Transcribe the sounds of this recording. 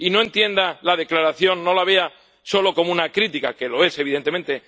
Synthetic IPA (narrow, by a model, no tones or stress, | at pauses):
ino̞ent̪je̞nd̪alaðe̞klaɾaθjo̞nːo̞laβ̞e̞a | so̞lo̞ko̞munakɾit̪ikakelo̞e̞se̞β̞iðe̞nt̪ement̪e̞